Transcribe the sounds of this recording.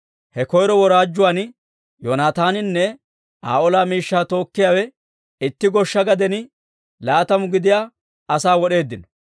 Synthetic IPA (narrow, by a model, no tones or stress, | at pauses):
hɛkɔjɾɔwɔɾaːd͡ʒːʊwaːn | joːnaːt̪aːnɪnːɛ | a̰ːʔɔlaːmiːʃːaːt̪o̞ːkːɪjaːwɛ | ɪt̪ːɪɡɔʃːɐɡɐd̪ɛnɪ | laːt̪ɐmʊɡɪd̪ɪjaː | ɐsaːwɔɗe̞ːd̪ːɪnɔ